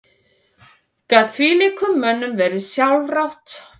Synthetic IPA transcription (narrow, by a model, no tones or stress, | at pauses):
kat̪ʰviːlikʰʏmːœnːʏmvɛɾðɪsjawlrawht̪